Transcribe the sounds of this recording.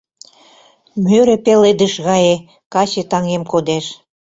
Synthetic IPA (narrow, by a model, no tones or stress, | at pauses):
møɾĕpeled̪ə̆ʃɣɑje | kɑt͡ɕet̪ɑŋemkod̪eʃ